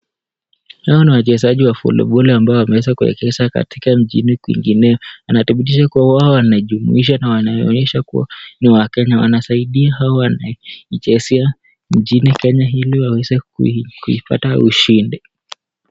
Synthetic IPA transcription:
haɔniwat͡ʃɛzaʄiwafɔ̰lɔ̰ɓɔliambaɔwamɛwɛzakuɛ̰kɛzaka̰tʰikam̩ʄinikwḭŋɡinɛjɔanaθiɓit̬iʃakuwawaɔwanaʄumṵiʃ̬anawanajɔɔɲɛʃakṵwa̰niwakɛɲawa̰nasaiɗiahaɔwana̰it͡ʃɛsɛa | m̩ʄinikɛɲaɦiliwawɛzɛkkuipa̰tauʃindi

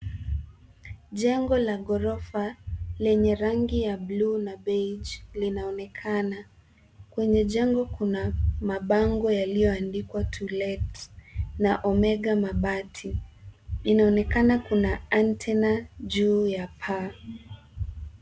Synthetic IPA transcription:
ʄɛŋɡɔlaɡɔɾɔfalɛɲɛɾaŋɡijablunabed͡ʒlinaɔnɛkʰana | kwɛɲɛʄɛŋɡɔkunamaɓaŋɡɔjalijɔandikwatʰulɛtnaʔɔmɛɡamaɓatʰi | inaɔnɛkanakunaantʰɛnaʄuːjapʰa

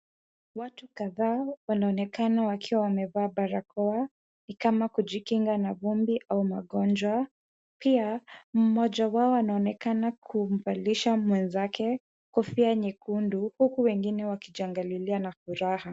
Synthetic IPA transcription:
watukaðaːwanaɔnɛkanawakiwawamɛvaːbaɾakɔa | nikamakuʄikiŋɡanavumbiʔaumaɠɔnd͡ʒwa | piam̩mɔʄawaɔanaɔnɛkanakʰum̩valiʃamwɛnzakɛ | kɔfiaɲikunduhukuwɛŋɡinɛwakiʄaŋɡalilianafuɾaha

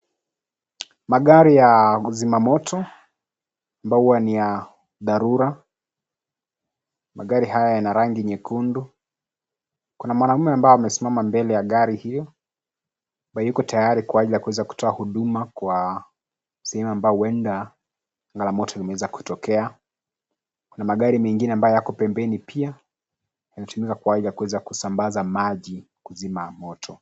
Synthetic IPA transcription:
maɠaɾijazimamɔtʰɔ | ambaɔuwanija | ðaɾuɾa | maɠaɾihajajanaɾaŋɡiɲɛkʰundu | kunamwanaumɛambaɔamɛsimamambɛlɛjaɠaɾihijɔ | ɓajukɔtʰajaɾikwaaɟilijakuwɛzaku̥tɔahuɗumakwa | sɛhɛmuambaɔwɛnda | ŋɡalamɔtʰɔlimɛwɛzaku̥tɔkɛa | kunamaɠaɾimɛŋɡinɛambajɔjakɔpɛmbɛnipʰia | janatumikakwaaʄilijakuwɛzakusambazamaʄi | kuzimamɔtʰɔ

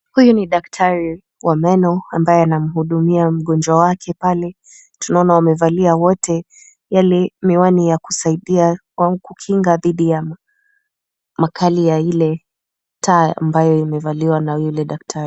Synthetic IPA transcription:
hujuniɗak̚tʰaɾi | wʔamɛnɔambajɛanam̩huɗumiam̩ɠɔnd͡ʒwawakʰɛpalɛ | tunaɔnawamɛvaliawɔtʰɛ | jalɛmiwanijakusaiɗia | aukukʰiŋɡaðiɗija | makʰalijailɛ | tʰaːa̰mbajɔimɛvaliwanajulɛɗak̚tʰaɾi

